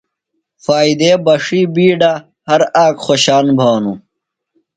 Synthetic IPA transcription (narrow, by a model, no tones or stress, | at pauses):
faːid̪eːbɐʂiːbiːɖa | hɐɾaːkxoɕaːnbʱaːnu